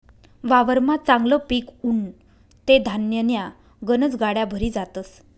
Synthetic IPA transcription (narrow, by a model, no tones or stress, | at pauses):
ʋaʋəɾmat͡sãŋɡləpiːkuɳ | t̪ed̪ʱanjənja | ɡənət͡sɡaɽjabʱəɾiːd͡zat̪əs